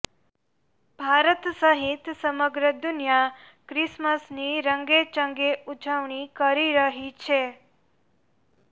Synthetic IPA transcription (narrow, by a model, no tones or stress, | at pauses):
bʱaɾət̪səɦit̪səməɡɾəd̪unja | kɾɪsməsniɾəŋɡet͡ʃəŋɡeud͡ʒəʋɳ̃ikəɾiɾəɦit͡ʃʰe